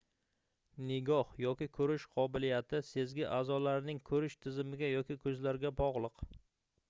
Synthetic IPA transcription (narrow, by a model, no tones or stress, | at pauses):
nɪɡʲɒhjɒkʲɪkʰɵɾɪʃqʰɒbɪlijat̪ʰɪse̞zɡʲɪʔazɒlaɾnɪŋkʰɵɾɪʃt̪ʰɪzɪmɪɡʲajɒkʲɪkʰɵzlaɾɡʲabɒʁlˠɨq